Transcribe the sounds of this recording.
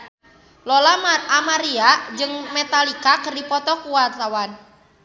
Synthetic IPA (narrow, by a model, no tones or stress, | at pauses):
lɔlamaamaɾiad͡ʒɨŋmɛt̪alikakərdipɔt̪ɔkuwart̪awan